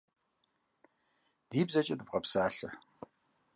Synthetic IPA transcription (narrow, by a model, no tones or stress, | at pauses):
d̥iːbzɐt͡ʃʼɪdɨvqɐpsaːɬɐ